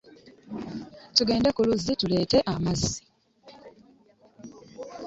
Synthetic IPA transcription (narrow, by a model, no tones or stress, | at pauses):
tuɡe̞ːndekuluzitule̞ːte̞ʔamazːi̥